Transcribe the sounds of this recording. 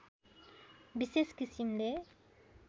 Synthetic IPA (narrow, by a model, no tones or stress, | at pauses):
biseskisimd̪ɛ